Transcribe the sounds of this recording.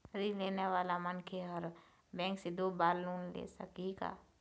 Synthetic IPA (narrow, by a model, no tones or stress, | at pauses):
ɾileːneʋaːlamənkʰeɔɾ | bɛ̃ːŋksed̪obaːlːuːnlḛːsə̰kika̰ː